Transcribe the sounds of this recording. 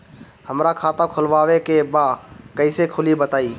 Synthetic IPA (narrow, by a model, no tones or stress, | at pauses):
həmɾakʰaːt̪ãkʰʊlʋaːwekebakəɪsekʰʊlibət̪aːiː